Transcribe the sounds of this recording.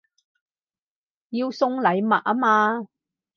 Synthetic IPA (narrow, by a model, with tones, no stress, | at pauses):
jiː˧wsʊ˧ŋlɐ˨˧jmɐ˨t̚aː˥maː˧